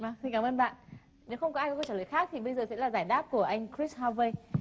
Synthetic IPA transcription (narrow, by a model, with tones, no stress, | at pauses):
va˨˩si˧ɲ̟kaː˧˩˨məː˧nɓa̰ː˧˨n | ne˨˦wxə˧wŋ͡mkɔ˨˦aː˧jkɔ˨˦kɔ˧˦t͡ɕəː˧˩ləː˨˩jxaː˦˥k̚t̪ʰi˨˩ɓə˧jzəː˨˩sɛ̰˧˥laː˨˩zaː˧˩jɗaː˦˥p̚ku˧˩əʔa˧jŋ̟kɹi˦˥sha˧və˧j